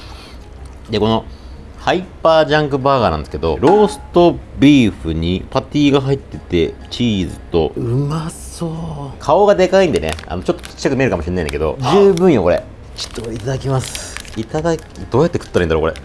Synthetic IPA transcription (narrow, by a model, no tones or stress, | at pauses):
d̪e̞ko̞no̞ | haipːaːʑãŋkɯ̟baːɡanã̰nd̪sɨ̥ked̪o̞̰ɾo̞ːsɨ̥t̪o̞bʲiːɸɯ̟ɲ̟ipat̪ʲiːɡaɦait̪ːe̞t̪e̞t͡ɕiːzɨt̪o̞̰masokʰao̞ɡad̪e̞kaĩnd̪e̞nḛa̰no̞t͡ɕo̞t̪ːo̥t͡ɕi̥kakɯ̟mʲieɾɯ̟kamoɕinːaĩnakeo̞̰d͡ʑɨːbɯ̟̃ɰ̃jo̞ko̞ɾe̞̰ | t͡ɕi̥t̪ːoit̪ad̪akʲimasɨ̥it̪ad̪akd̪̥o̞ːjat̪ːekɯ̥t̪ːɾaind̪aɾokoɾe̞̰